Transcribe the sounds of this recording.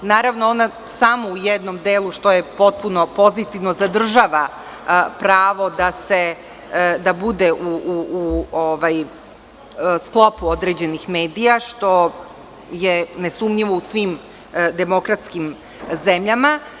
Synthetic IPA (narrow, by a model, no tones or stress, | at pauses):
naːɾaʋnoona | samoujed̪nomd̪eːlˠuʃt̪o̞jepo̞t̪̚puno̞po̞zit̪iʋno̞zad̪r̩ʒaːʋa | pɾaːʋo̞d̪ase | d̪abud̪eʔuuːoʋaj | sklˠo̞puod̪ɾeːd͡ʑe̞nixmeːd̪ijaʃt̪o̞ | jenesumɲiʋousʋiːm | d̪emo̞kɾat̪skim | zemʎama